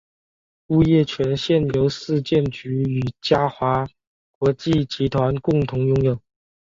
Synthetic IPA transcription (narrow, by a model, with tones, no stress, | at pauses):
u˥jɛ˥˩t͡ɕʰɥɛ˧˥nɕjɛ˥˩njo˧˥ʊsɹ̩˥˧t͡ɕjɛ˥˩nt͡ɕy˧˥y˨˩t͡ɕja˥xwa˧˥ | kwɔ˧˥t͡ɕi˥˩t͡ɕi˧˥t̪ʰwa˧˥nkʊ˥˩ŋt̪ʰʊ˧˥ŋjʊ˥ŋjo˨˩ʊ